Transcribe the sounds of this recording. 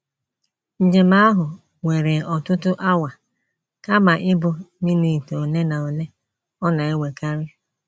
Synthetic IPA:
n̩˨d͡ʒe˨ma˦a˦ɦʊ˨ | we˨ɾe˨ɔ˨tʊ˦tʊ˦ʔa˦wa˨ | ka˦ma˨ʔɪ˦bʊ˨ni˦ni˨to˨ne˦na˨o˨le˦ | ɔ˦na˨e˦we˨ka˦ɾɪ˦

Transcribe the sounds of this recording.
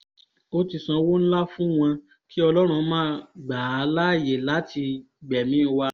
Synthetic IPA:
o˦ti˧sã˧wo˦ñ̩˦la˦fũ˦w̃ã˧ | ki˦ɔ˧lɔ˦ɾ̃ũ˧mãː˦ɡ͡baː˨a˨˧˦la˦˨je˨la˨˦tʰi˧ | ɡ͡bɛ˨mĩ˦˧wa˧

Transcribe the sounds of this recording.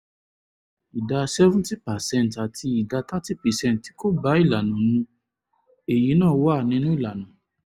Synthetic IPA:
i˨da˧sɛ˦vũ˦ti˦pa˨sɛ̃˦˨n˨ta˨tʰi˧i˨da˧ta˦ti˦pɛ˨sɛ̃˦˨nt̚ti̥˨˦ko˦ba˨˦i˦˨la˨nũ˨nũ˧˦ | e˨ji˨˦nãː˦˨˦wa˦˨nĩ˧˦nũ˦i˦˨la˨nũ˨

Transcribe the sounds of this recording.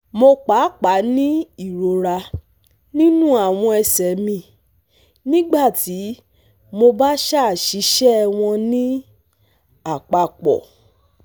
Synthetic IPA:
mo˧k͡pa˨˦k͡pa˨˦nĩ˦i˦˨ɾo˨ɾa˧ | nĩ˦nũ˦a˦˨w̃ɔ̃˧ɛ˧sɛ˨mĩ˧˨ | nĩ˦ɡ͡ba˦˨ti˨˦ | mo˧ba˦ʃa˦˨ʃi˨˦ʃɛ˦˧w̃ɔ̃˧nĩ˦ | a˨k͡pa˧˨k͡pɔ̰˨

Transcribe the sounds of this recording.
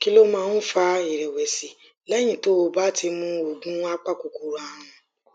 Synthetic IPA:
ki˦lo˦mãː˦˧˦n̩˦fa˧i˨ɾɛ˨wɛ˨si˨ | lɛ˦j̃ĩ˦˨to˨˦o˧ba˦tʰi˧mũ˧o˨ɡũ˦a˦k͡pa˦˨ko˨ku˨˧ɾa˨˦ɾ̃ũ˧

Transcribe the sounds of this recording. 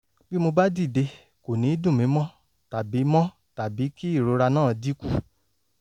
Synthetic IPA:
bi˦mo˧ba˦di˦˨de˧ | ko˨nĩ˨˦dũ˦˨mĩ˨˦mɔ̃˦ | ta˨bi˨˦mɔ̃˦ | ta˨bi˨˦ki˦i˦˨ɾo˨˦ɾa˧nãː˦˨di˦ku˦

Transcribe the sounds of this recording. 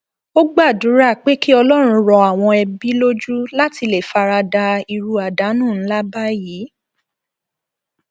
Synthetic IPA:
o˦ɡ͡ba˦˨du˨˦ɾa˦˨k͡pe˦ki˦ɔ˧lɔ˦ɾ̃ũ˧ɾɔ˧a˨w̃ɔ̃˧ɛ˧bi˦lo˦d͡ʒu˦la˦ti˧le˨fa˨˧ɾa˧da˧i˧ɾu˧a˨da˨˦nũ˦˨n̩˦la˦ba˦ji˨˦

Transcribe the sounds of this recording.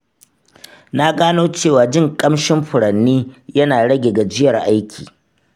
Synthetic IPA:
na˦ɡaː˦noː˦t͡ʃeː˦˨waː˨d͡ʒɪ˦˨ŋkʼɐ˦mʃɪ˦mɸʊ˨ɽɐ˨nːiː˦jɐ˦naː˨ɽɐ˦ɡʲe˨ɡa˨d͡ʒɪ˦jɐ˨rʔa˦jkʲʰḭː˨

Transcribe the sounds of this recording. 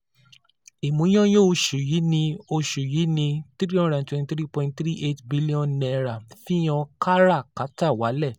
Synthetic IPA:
i˨mũ˨˦j̃ɔ̃˦jo˦˧ʃu˨ji˨˦nĩ˧o˧ʃu˨ji˨˦nĩ˧t̪ɾi˦ɔ̃˦ɾã˨twɛ̃˧ni˧tɾi˦pɔ̃˧ĩ˧ntθɾi˦ʔe˦tbi˦li˦ɔ̃˦nnɛ˧ɾa˨fĩ˦j̃ɔ̃˧ka˦ɾa˦˨ka˨˦ta˦˨wa˨˦lɛ˦˨

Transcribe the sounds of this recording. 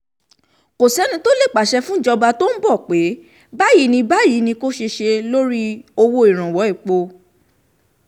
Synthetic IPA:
ko˨sɛ˨˦nĩ˧to˦le˦˨k͡pa˨˦ʃɛ˧fũ˦d͡ʒɔ˧ba˧to˦n̩˦bɔ˦˨k͡pe˨˦ | ba˦ji˨˦nĩ˧ba˦ji˨˦nĩ˧ko˦ʃe˧ʃe˧lo˦ɾi˦o˧wo˧i˨ɾ̃ã˨wɔ˨˦i˦˨k͡po˧

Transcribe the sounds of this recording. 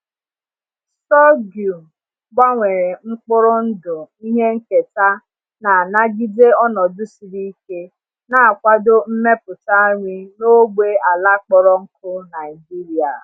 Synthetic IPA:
ssɔ˦ɡju˨m˨ | ɡ͡ba˦ŋʷe˨ɾe˨ŋ͡m̩˦k͡pʊ˦ɾʊ˦n̩˦dʊ˨i˦ɦe˦ŋ̩˦ke˨ta˦ | na˨na˦ɡi˦de˦ɔ˦nɔ˨dʊ˦si˨ɾi˦i˦ke˦ | na˦a˨kʷa˦dʊ˦m̩˦me˦pʊ˨ta˦ɲʷi˦no˦ɡ͡be˦a˨la˦k͡pɔ˦ɾɔ˦ŋ̩˦kʰʊ˦na˨jd͡ʒi˦ɾi˨a̰˨

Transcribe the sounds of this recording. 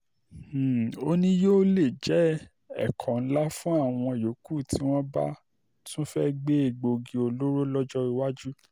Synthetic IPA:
o˦nĩ˦joː˦le˦˨d͡ʒɛ˨˦ | ɛ̰˦˨kʰɔ̃˨ñ̩˦la˦fũ˦a˦˨w̃ɔ̃˧˨jo˨˦ku˦˨tʰi˨˦w̃ɔ̃˦ba̰˦ | tʰũ˦fɛ˦ɡ͡be˦e˨ɡ͡bo˧ɡi˧o˧lo˦ɾo˦lɔ˦d͡ʒɔ˦i˧wa˦d͡ʒu˦

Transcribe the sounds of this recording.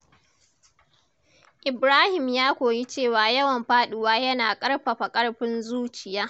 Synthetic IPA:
ʔɪ˨bɾaː˦hɪ˨mjaː˦kʷoː˨ji˦t͡ʃeː˦˨waː˨jɐ˦wɐ˨mɸaː˦ɗʊ˨waː˦jɐ˦naː˨kʼɐ˦ɽɸa˨ɸa˨kʼɐ˦ɽɸɪ˦nzuː˦t͡ʃɪ˨jaː˦

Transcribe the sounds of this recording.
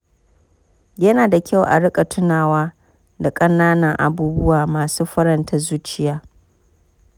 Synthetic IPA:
jɐ˦naː˨da˨kʲa˦˨wʔa̰˨ɽɪ˦kʼa˨tʰʊ˦naː˨waː˦ | da˨kʼɐ˦naː˦nɐ˨ŋʔa̰˨buː˦bʊ˦waː˨maː˨suː˦ɸɐ˦ɾɐ˨ntʰɐ˦zuː˦t͡ʃɪ˦jaː˦

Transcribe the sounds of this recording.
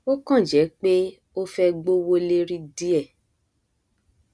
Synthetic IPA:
o˦kã˦˨d͡ʒɛ˨˦k͡pe˦ | o˦fɛ˦ɡ͡bo˦wo˦le˦ɾi˦di˦ɛ˦˨

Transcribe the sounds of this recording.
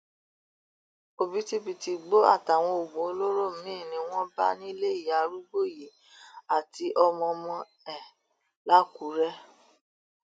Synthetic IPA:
o˧bi˨˦ti˦bi˧ti˧ɡ͡bo˦a̰˦˨ta˨w̃ɔ̃˧o˨ɡ͡bũ˨o˧lo˦ɾo˦˨mĩ˦˨nĩ˧w̃ɔ̃˦ba̰˦nĩ˦le˦i˦˨a˨˦ɾu˦ɡ͡bo˦˨ji˨ | a˨ti˧ʔɔ˧mɔ̃˧mɔ̃˧ | ɛ˦˨ | la˦ku˨˦ɾɛ˦

